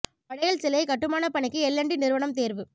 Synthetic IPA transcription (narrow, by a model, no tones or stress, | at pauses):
pɐɽɐjɐlsɛlɐɪkɐʈːɯmaːnɐpɐɳɪkːɯɛlːɐɳɖinɪɾɯʋɐɳɐmt̪eːɾʋɯ